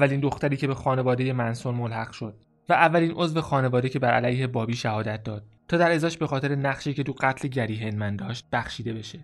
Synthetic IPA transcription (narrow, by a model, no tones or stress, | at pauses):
vːæliːnd̪o̞xt̪æɾiːcʰe̞bexɒːne̞vɒːd̪e̞je̞mænsoɾmolhæɣ̥ʃo̞d̪̥ | væʔævːæliːnʔo̞zve̞xɒːne̞vɒːd̪e̞cʰe̞bæɾælæjhe̞bɒːbiːʃæhɒːd̪æt̪̚d̪ɒːd̪̥̚t̪ʰːɒːd̪æɾe̞zɒːʃbe̞xɒːt̪ʰe̞ɾe̞næχʃiːcʰe̞t̪uɢæt̪ʰle̞ɟæɾiːɦe̞nmænd̪ɒːʃt̪̚bæxʃiːd̪e̞be̞ʃe̞